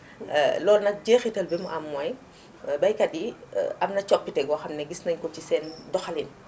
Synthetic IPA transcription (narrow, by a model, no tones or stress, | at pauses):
lɔːlnɐk̚ɟeːxitɐlbimuʔɐmːɔj | bɐjkɐdiʔɐmnɐt͡ʃɔpːitɛɡɔxɐmnɛɡisnɐɲkɔcisɛːndɔxɐlin